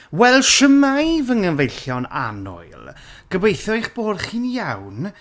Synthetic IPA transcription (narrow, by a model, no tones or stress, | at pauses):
wɛlˠʃəmajvəŋənvejɬjɔna̰nɔ̰ɨlˠɡ̥əbejθɔɨχb̥oːrχinjawn